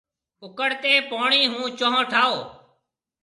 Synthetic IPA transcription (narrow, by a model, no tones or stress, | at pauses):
ʊkəɽt̪eːpoːɳiːɦũːt͡ʃõːɦõːʈʰaːoː